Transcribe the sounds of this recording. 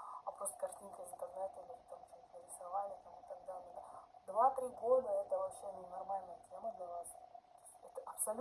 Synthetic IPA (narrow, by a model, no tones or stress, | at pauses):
ɐpɾost̪ə̥kɐʂt̪ʲinkəvɪnt̪ərnɛt̪ɨlʲɪt̪amt͡ɕoəɾʲɪsɐvanʲɪt̪amɨt̪ɐɡd̪alʲɪjd̪vat̪ɾʲiɡod̪əɛt̪əvɐpɕenʲɪnɐrmalʲnəjət̪ʲeməd̪lʲɐnas | ɛt̪əʔɐpsɐlʲ